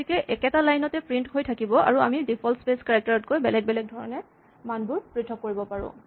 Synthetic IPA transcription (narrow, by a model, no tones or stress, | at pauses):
ikɛʔɛkɛtalajnɔtɛpɹinthojtʰakibɔa̰ɹua̰midipʰɔlspeskaɹak̚taɹɔtkojbɛlɛɡ̚bɛlɛɡ̚dʱɔɹɔnɛ | manbʊɹpɹitʰɔkːoɹibɔpaɹʊ̰̃